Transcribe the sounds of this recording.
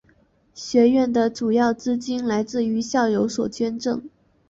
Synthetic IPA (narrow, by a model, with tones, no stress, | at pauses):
ɕɥɛ˧˥ɥɛ˥˩nd̪ə˨ʈ͡ʂu˨˩jɑ˥˩ʊt͡sɹ̩˥t͡ɕi˥nla˧˥ɪt͡sɹ̩˥˩y˧˥ɕjɑ˥˩ʊjo˧˥ʊswɔ˨˩t͡ɕɥɛ˥nʈ͡ʂɤ˥˩ŋ